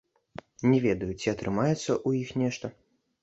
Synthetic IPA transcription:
nʲɛvʲɛd̪ɐjut͡sʲiɐt̪ɾɨmajɛt̪sːɐʔujixnʲɛʂt̪ɐ

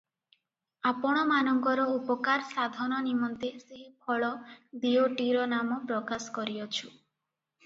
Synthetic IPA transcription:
apɔɽ̃ɔmanɔŋkɔɾɔupɔkaɾsad̪ʱɔnɔnimɔnt̪eseɦipʰɔɭɔd̪ioʈiɾɔnamɔpɾɔkaskɔɾiɔt͡ʃʰu

